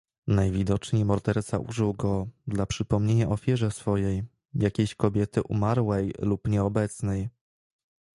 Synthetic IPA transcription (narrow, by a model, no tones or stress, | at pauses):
najvʲid̪ɔt͡ʂɲejmɔɾd̪ɛɾt̪saʔṵʐɘwɡɔd̪lapʂɘpɔmɲeɲaʔɔfʲjɛʐɛsfɔjej | jakʲeɕkɔbʲjɛt̪ɘʔumaɾwɛjlupɲɛɔbɛt̪snɛj